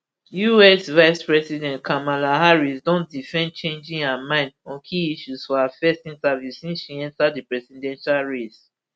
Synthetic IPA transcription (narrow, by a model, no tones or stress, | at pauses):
juɛsvaɪspɹɛsidɛ̃ntkʰamalãɦaɹisdɔ̃nt̚difɛ̃nt͡ʃẽnd͡ʒĩŋhamãɪ̃ndɔ̃nkʰiiʃusfɔhafɛstĩntavjussĩnsʃiɛ̃ntadipɹɛsidɛ̃nʃalɹes